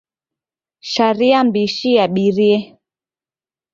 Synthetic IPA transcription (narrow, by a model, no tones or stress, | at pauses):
ʃaɾiambiʃiaɓiɾiɛ